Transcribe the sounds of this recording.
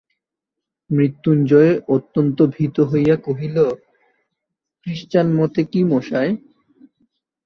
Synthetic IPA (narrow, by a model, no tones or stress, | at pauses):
mɾit̪ːund͡ʑɔeʔot̪ːont̪obʱit̪oɦojakoɦilo | kɾiʃt͡ɕanmɔt̪ekimoʃae